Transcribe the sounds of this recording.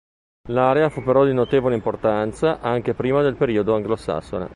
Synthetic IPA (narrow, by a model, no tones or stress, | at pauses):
laɾeafupːeɾɔd̪inot̪eːvoleimport̪ant̪saʔaŋk̟epɾiːmad̪elpeɾiːod̪oaŋɡlosa̰sːonḛ